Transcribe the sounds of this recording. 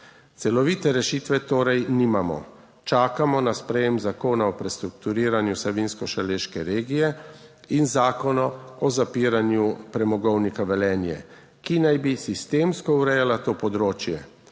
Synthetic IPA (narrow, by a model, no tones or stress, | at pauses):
t̪sɛlɔʋiːt̪ɛɾɛʃiːt̪ʋɛt̪oːɾɛjniːmamɔ̰ | t͡ʃaːkamɔnaspɾɛjɛmzakoːnaɔpɾɛst̪ɾukt̪uɾiːɾanjusɛʋinskɔʃaleːʃkɛɾeːɡijɛ | inzaːkɔnɔɔzapiːɾanjupɾɛmɔɡɔwnikaʋɛlɛːnjɛ̰ | kinajbisist̪eːmskɔuɾɛjalat̪oːpɔd̪ɾoːt͡ʃjɛ